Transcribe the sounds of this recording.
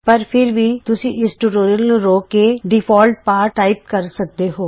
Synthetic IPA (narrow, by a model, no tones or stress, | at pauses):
pəɾpʰɪɾʋiːt̪ʊsĩːʔɪsʈuʈoːɾəlnũɾoːkeːɖɪpʰɔːlʈ̚paːɾʈaːɪp̚kəɾsək̚d̪eːɦoː